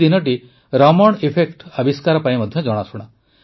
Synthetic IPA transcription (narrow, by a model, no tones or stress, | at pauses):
inɔʈ̬i | ɾɔmɔɽ̃ipʰekʈɔbiskaɾɔpajmɔd̪ʱjɔd͡ʒɔɽ̃asuɽ̃a